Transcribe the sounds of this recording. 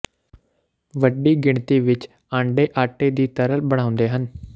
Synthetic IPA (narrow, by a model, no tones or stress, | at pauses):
ʋəɖiːɡɪɳt̪iːʋɪt͡ʃ | ãːɳɖeːʔaːʈeːd̪iːt̪əɾəlbəɽ̃ãːʊnd̪eːɦən